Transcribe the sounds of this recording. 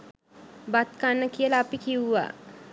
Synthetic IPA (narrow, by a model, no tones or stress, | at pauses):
bat̪̚kanːəkiəlaːpikiwuʋa̰ː